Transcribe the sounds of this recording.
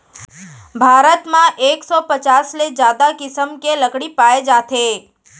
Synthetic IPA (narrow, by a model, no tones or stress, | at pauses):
bʱaːɾət̪mãʔeːksɔpət͡ʃaːsled͡ʒjaːd̪akɪsəmkeləkɽipaːed͡ʒaːt̪ʰe